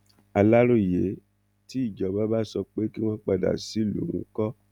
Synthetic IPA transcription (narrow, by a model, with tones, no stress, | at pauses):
a˧la˦ɾo˦˨je˨˦ | ti˦i˦˨d͡ʒɔ˨˦ba˦ba˦sɔ˧k͡pe˦ki˦w̃ɔ̃˦k͡pa˧da̰˨si˨˦lṵ˨ṵ̃˨˦kɔ˦